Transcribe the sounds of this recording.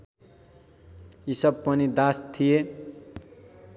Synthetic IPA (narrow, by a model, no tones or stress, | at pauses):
isʌb̚pʌnid̪ast̪ʰije